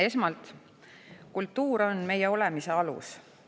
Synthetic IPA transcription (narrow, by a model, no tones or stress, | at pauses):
e̞smɑlt̪ | kult̪ːuːɾo̞nme̞jeo̞le̞mise̞ɑlṵs